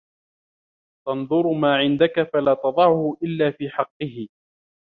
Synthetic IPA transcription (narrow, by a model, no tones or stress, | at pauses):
t̪ɑnðˤʊɾmaːʕɪnd̪akafalaːt̪ɑðˤɑʕʊhʊʔɪlːaːfiːħɑqːɨhɪ